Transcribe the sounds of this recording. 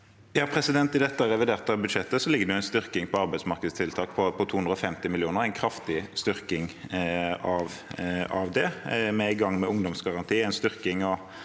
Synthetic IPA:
jɑːpʰɾɛsɪd̪ɛnt̪ɪd̪ɛt̪ːəæʁɛʋɪd̪eːʁt̪ɑʋbʉd̪ʃɛt̪ːəsɔlɪɡəd̪ɛʊæɪnst̪ʏʁkɪŋpʰɔɑɾbæɪd̪smɑɾʁkəd̪st̪ʰɪlt̪ʰɑːkpʰɔpʰɔt̪ʰuːɵnd̪ɾɔfɛmt̪ɪmɪlɪuːnəɾæɪnkʰɾɑft̪ɪst̪ʏʁkɪŋ | ɑʋɑʋd̪ɛmɛɪɡɑŋːmɛʊŋd̪ɔmsɡɑʁɑnt̪ʰiːæɪnst̪ʏʁkɪŋɔ

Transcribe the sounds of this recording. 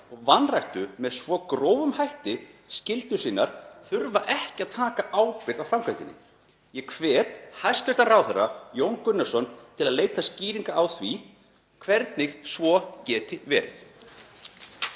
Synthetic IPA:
ɔɣvanrajht̪ʏmɛðsvɔːkɾoːwvʏmhajht̪ɪscɪlt̪ʏsiːnːaɾ̥θʏɾvaʔɛhcɪaðt̪ʰaːkaʔaːwpɪɾðawfɾamkʰajt̪ɪnːɪ̰ | jɛkʰvɛːt̪hajst̪ɛst̪anraːwθɛrːa̰jowŋkʏnːasɔnt̪ʰɪlaðleːjt̪asciːɾiŋkaawθvi | kʰvɛɾt̪nɪɣsvɔcɛːt̪ɪvɛ̰ːɾɪ̰θ

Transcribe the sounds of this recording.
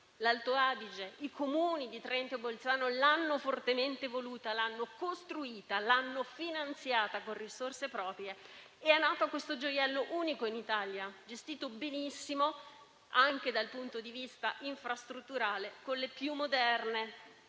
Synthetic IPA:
lalt̪oaːd̪id͡ʒeikʰomuːnid̪it̪ɾɛnt̪obolt̪saːnolanːofort̪ement̪evoluːt̪alanːokost̪ɾuiːt̪alanːofinant̪sjaːt̪akorisorsepɾɔːpɾje | ɪɛnːaːt̪oakwest̪od͡ʒojɛlːoʔuːnikoinit̪aljad͡ʒest̪iːt̪obenisːimo | aŋk̟ed̪alpunt̪od̪ivist̪aʔiɱfɾast̪ɾut̪ːuɾaːlekolepjumːod̪ɛrne

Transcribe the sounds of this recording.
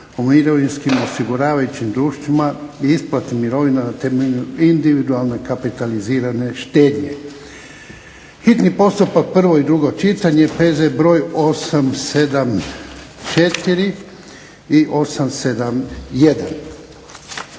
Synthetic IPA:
omiɾoʋinskimo̞siɡuɾaːʋajut͡ɕimd̪ɾuːʃt̪ʋimaiisplat̪nimiɾo̞ʋinanat̪emeʎuind̪iʋid̪ualˠnekapit̪aliziːɾane̞ʃt̪eːd̪ɲe̞ | xit̪nipo̞st̪upak̚pr̩ʋo̞id̪ɾuɡo̞t͡ʃit̪aɲe̞peːzebɾo̞ːjo̞samsed̪am | t͡ʃet̪iɾi | iʔo̞samse̞d̪amjed̪an

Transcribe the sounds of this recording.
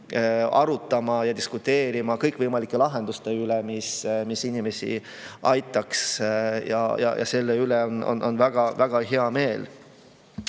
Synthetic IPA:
ɑɾut̪ːˑɑmɑjɑd̪̥iskut̪ːe̞ːɾimɑkɤjkːˑvɤjmɑlikːˑe̞lɑɦend̪̥ust̪e̞ylɛmismisinime̞sḭ | ɑjt̪ːˑɑksjɑ̰jɑ̰jʔɑ̰se̞lːeyleono̰nʔo̰nvæɡ̥ɑvæɡ̥ɑɦe̞ɑme̞ːl

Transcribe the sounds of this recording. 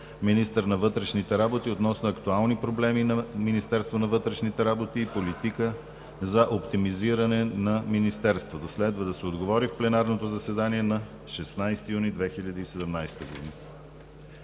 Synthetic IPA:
minist̪əɾnɐvɤt̪ɾɛʃnit̪ɛɾabot̪iot̪nɔsnoɐkt̪ualˠnipɾoblɛminɐminist̪ɛɾst̪vonɐvɤt̪ɾɛʃnit̪ɛɾabot̪iːpolit̪ikə | zɐʔopt̪imiziɾɐnɛnɐminist̪ɛɾst̪vot̪oslɛd̪vəd̪ɐsɛod̪ɡovɔɾifplɛnaɾnot̪ozɐsɛd̪aniɛnɐ | ʃɛsnajst̪ijunid̪vɛxiʎʲəd̪əisɛd̪ɛmnajst̪əɡod̪ḭnə

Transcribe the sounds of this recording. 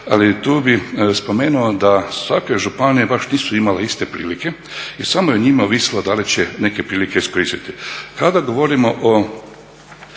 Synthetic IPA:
alit̪uːbispo̞meːnuod̪asʋakeʒupaniebaʃniːsuimaleist̪e̞pɾḭːlike̞isamojeɲimaoʋisilod̪alit͡ɕeneke̞pɾiːlikeiskoɾiːst̪it̪ikad̪aɡoʋoɾimoʔo

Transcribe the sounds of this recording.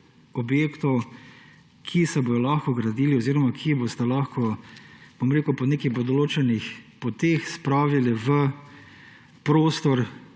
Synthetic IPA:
ɔbjeːkt̪ɔw | kʰisɛbojɔlaxkɔɡɾad̪iːlioziːɾɔmakʰibost̪alaːxkɔb̥omɾeːkupɔneːkipɔd̪ɔloːt͡ʃɛnixpot̪eːxspɾaːʋilɛʋə | pɾoːst̪ɔɾ

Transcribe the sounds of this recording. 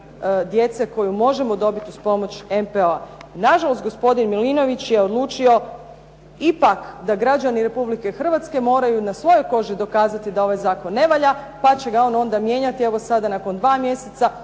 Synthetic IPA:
d̪je̞t̪se̞ko̞jumo̞ʒe̞mo̞d̪o̞bit̪iuspo̞mo̞t͡ɕempeoanaʒalˠo̞st̪̚ɡo̞spo̞d̪inmilino̞ʋit͡ɕje̞od̪lˠuːt͡ʃio̞ | ipakd̪aɡɾad͡ʑaniɾe̞publike̞xr̩ʋat̪ske̞mo̞ːɾajunasʋo̞jo̞jko̞ʒid̪o̞kaːzat̪id̪ao̞ʋajzaːko̞nːe̞ʋaʎa | pat͡ɕe̞ɡao̞no̞nd̪amje̞ːɲat̪ie̞ʋo̞sad̪anako̞nd̪ʋaːmje̞set̪sa

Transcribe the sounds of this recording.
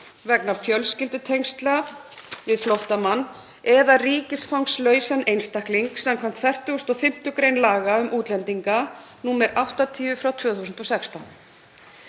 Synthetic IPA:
vɛk̚nafjœlscɪlt̪ʏt̪ʰejŋst̪la | vɪðflowht̪amanː | ɛðariːcɪsfawŋslœːɥsanejnst̪ahkliŋksɛmkʰam̥t̪fɛr̥t̪ʏʏst̪ɔfɪm̥t̪ʏkɾejnlaːɣaʏmʔuːt̪lɛnt̪iŋkanuːmɛɾʔawht̪at̪ʰiːʏfɾawt̪ʰvœːθusʏnt̪ɔsɛkst̪an

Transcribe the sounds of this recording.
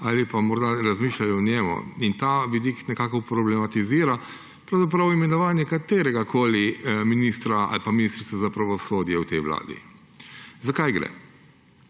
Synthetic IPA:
aːlipamɔɾd̪aɾazmiːʃlajɔɔnʲɛmṵint̪aʋid̪iknɛkaːkɔpɾɔblɛmat̪iziːɾa | pɾawzap̬ɾawimɛnɔʋaːnjɛkat̪eːɾɛɡakʰoːliminist̪ɾaa̰lpaminist̪ɾit̪sazapɾaʋɔsoːd̪jɛwt̪ɛjʋla̰ːd̪ḭ | zakajɡɾɛ̰

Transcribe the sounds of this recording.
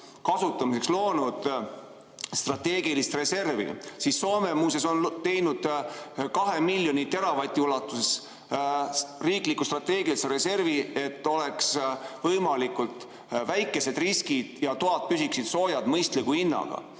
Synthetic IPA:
kɑsut̪ːˑɑmisekslo̞ːnud̪̥ | st̪rɑt̪e̞ːɡ̥ilist̪re̞se̞rvḭsisːo̞ːme̞muːs̬e̞so̞nt̪e̞jnud̪̥kɑɦemilʲjonit̪e̞ɾɑvɑjt̪ʲːˑiulɑt̪ˑːuses | riːklikːust̪rɑt̪e̞ːɡiliseɾe̞se̞rvie̞t̪ːo̞le̞ksvɤjmɑlikult̪ | væjkːˑe̞se̞d̪̥riskid̪̥jɑt̪oɑt̪̚pysiksid̪̥so̞ːjɑd̪mɤjst̪likuinːɑ̰ɡ̥ɑ̰

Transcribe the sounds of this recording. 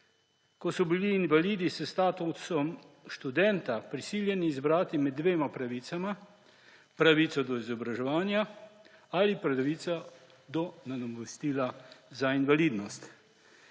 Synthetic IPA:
kɔsɔbiliːnʋaliːd̪isəst̪aːt̪usɔm | ʃt̪ud̪ɛnt̪apɾisiːljɛniːzbɾaːt̪imɛd̪ːʋeːmapɾaʋiːsama | pɾaʋiːt̪sɔd̪ɔizɔbɾaʒɛʋaːnja | alipɾaaʋit̪sa | d̪ɔnad̪ɔmɛst̪iːlazainʋaliːd̪nɔst̪

